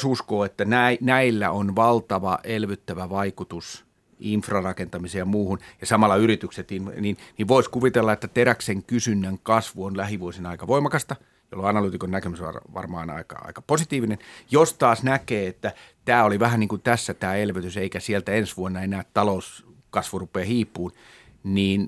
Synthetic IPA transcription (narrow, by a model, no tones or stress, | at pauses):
suskoːet̪ːænæinæilːæ̰onʋɑlt̪ɑʋɑʔelʋyt̪ːæʋæʋɑikut̪us | infrɑrɑkent̪ɑmiseːjɑmuːhunjɑsɑmɑlːˑɑyɾit̪ykset̪inninniʋʋoiskuʋit̪elːɑet̪ːæt̪eɾækseŋkysynːæŋkɑsʋuonlæhiʋuosinɑikɑʋoimɑkɑst̪ɑ | jo̰loɑnɑlyːt̪ikonnækemysɑ̰ʋɑ̰rmɑ̰ːnɑ̰ikɑ̰ɑ̰ikɑ̥posit̪iːʋinenjost̪ɑːsnækeːet̪ːæt̪æːoliʋæhæniːŋkunt̪æsːæt̪æːelʋyt̪yseikæsielt̪æensʋuonːɑenæːt̪t̪ɑlous | kɑsʋurupˑeːhiːpˑːuːn | niːn